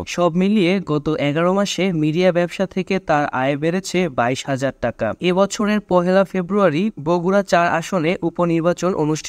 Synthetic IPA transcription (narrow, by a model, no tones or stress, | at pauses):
ʃɔbmilijeɡɔt̪oʔɛɡaɾomaʃemiɖiabɛbʃat̪ʰeket̪aɾa̰ebeɾet͡ɕʰebaiʃɦad͡ʑaɾʈaka̰ebɔt͡ɕʰoɾeɾpɔɦelafebɾuaɾiboɡʱuɾat͡ɕaɾa̰ʃoneʔuponiɾbat͡ɕonʔonuʃʈʰ